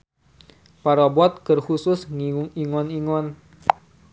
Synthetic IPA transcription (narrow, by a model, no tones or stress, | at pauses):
paɾɔbɔt̪̚kərhusʊsŋiŋɔniŋɔn